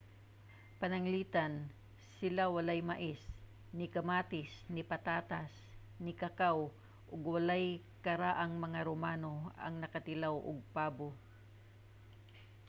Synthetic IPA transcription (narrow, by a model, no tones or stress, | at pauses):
pɐnɐŋliːt̪an | sɪlawɐlajmaʔɪs | nɪkɐmaːt̪ɪsnɪpɐt̪aːt̪as | nɪkɐkaw | ʔʊɡwalaj | kɐɾaʔɐŋmɐŋaɾomaːnoɐ̰ŋnɐkat̪ɪlawʔʊ̰ɡ̚paːbo